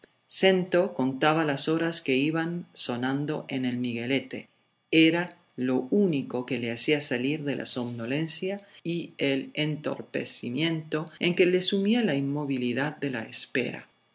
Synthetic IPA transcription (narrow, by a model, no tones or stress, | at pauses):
se̞nt̪o̞ko̞nt̪aβalaso̞ɾaske̞iβanso̞nãnd̪o̞ʔene̞lmiɣe̞le̞t̪e | eɾa | lo̞uniko̞ke̞leasiasaliɾðe̞lʔa̰soβnole̞nsjaielent̪o̰ɾpe̞̰simjẽ̞nt̪o̞eŋke̞lesumialainmo̞β̞iliðaðde̞laespe̞̰ɾa̰